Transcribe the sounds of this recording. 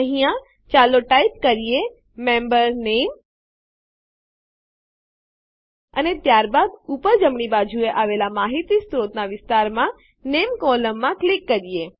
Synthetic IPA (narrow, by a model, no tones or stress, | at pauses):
əɦijã | t͡ʃaloʈaipkəɾije | membəɾnem | ə̰net̪jaɾbad̪upəɾd͡ʒəmɳibad͡ʒʱueʔaʋelamaɦit̪ist̪ɾot̪naʋɪst̪aɾmã | nemkɔləmːãklikːəɾije